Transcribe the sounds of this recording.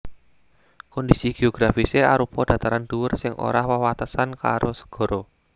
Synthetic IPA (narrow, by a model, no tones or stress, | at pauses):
kɔndisiɡ̥e̤oɡ̥ɾafiseaɾupɔd̥a̤t̪aɾand̪̥uwʊrsɪŋʔo̰ɾahwəwat̪əsanka̰ɾosə̥ɡ̥ɔ̤ɾɔ